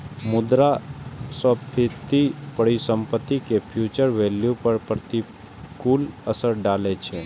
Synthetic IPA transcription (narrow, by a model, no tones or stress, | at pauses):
mʊd̪ɾasɔbpʰɪt̪ːipəɽisə̃mpət̪ːikepʰjuːt͡ʃəɾʋeːljupəɾpɾət̪i | kuːləsəɾɖaːlet͡ʃʰe